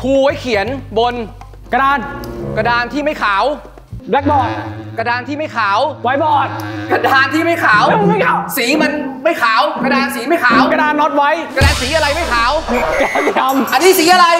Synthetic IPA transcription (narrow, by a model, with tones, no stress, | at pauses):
pʰuː˧wa˦˥jkʰi˩˦ənbo˧n | ka˧daː˧nka˧daː˧nt̪ʰiː˥˩ma˥˩jkʰaː˩˦w | lɛ˦˥k̚bɔː˨˩t̪̚ka˧daː˧nt̪ʰiː˥˩ma˥˩jkʰaː˩˦wwa˦˥jbɔː˨˩t̪̚ka˧daː˧nt̪ʰiː˥˩ma˥˩jkʰaː˩˦wa˧siː˩˦ma˧nma˥˩jkʰaː˨˩˦wka˧daː˧nsiː˨˩˦ma˥˩jkʰa˩˦wka˧daː˧nːɔ˦˥t̪̚wa˦˥jka˧daː˧nsiː˩˦ʔa˧ɾa˧jma˥˩jkʰaː˩˦wka˨˦ka˧mʔa˧nːiː˦˥˩siː˨˩˦ʔa˧ɾa˧j